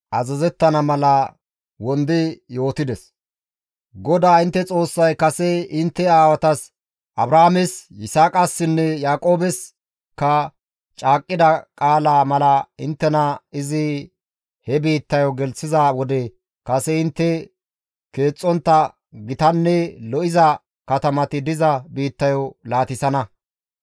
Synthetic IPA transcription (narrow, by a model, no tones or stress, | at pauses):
ʔɐzɛzɛt̪ːɐnɐmɐlɐ | wɔnd̪ɪjo̞ːt̪ɪd̪ɛs | ɡɔd̪aːɪnt̪ːɛt͡sʼo̞ːsːɐjkɐsɛɪnt̪ːɛaːwɐt̪ɐs | ʔɐbɾaːmɛsɪsaːkʼɐsːɪnːɛjaːkʼo̞ːbɛs | kɐ | t͡ʃʼaːkʼːɪd̪ɐkʼaːlaːmɐlɐɪnt̪ːɛnɐɪzɪ | hɛbiːt̪ːɐjɔɡɛlsɪzɐwɔd̪ɛ | kɐsɛɪnt̪ːɛ | ke̞ːt͡sʼːɔnt̪ːɐ | ɡɪt̪ɐnːɛlɔʔɪzɐ | kɐt̪ɐmɐt̪ɪd̪ɪzɐbiːt̪ːɐjɔlaːt̪ɪsɐnɐ